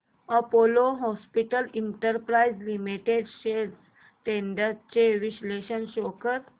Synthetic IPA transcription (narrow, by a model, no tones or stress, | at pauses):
əpoloɦɔspiʈəliɳʈəɾpɾaid͡zlimiʈeɖɕe | t̪eɳɖət͡ɕeʋiɕleɕənɕokət̪